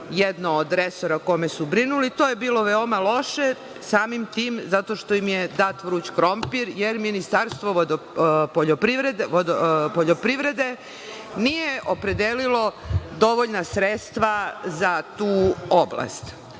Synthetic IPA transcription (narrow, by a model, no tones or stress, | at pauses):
jed̪noːd̪ɾeso̞ɾako̞me̞subɾinulit̪oːje̞biːlo̞ʋeomalo̞ʃe̞ | saːmimt̪iːmzat̪o̞ʃt̪oimjed̪at̪ʋɾuːt͡ɕkɾo̞mpiɾjeɾminist̪aɾst̪ʋod̪ | poʎopɾiʋɾed̪od̪poʎopɾiʋɾe̞d̪e̞ | nijeʔo̞pɾe̞d̪elilo̞d̪o̞ʋoʎnasɾet̪st̪ʋazat̪uːobla̰st̪